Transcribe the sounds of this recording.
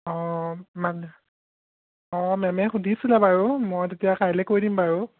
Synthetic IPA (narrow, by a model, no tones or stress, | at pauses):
ɔman | ɔmɛmɛxudisulabaɹumojtetijakʰajlɛkojdimbaɹu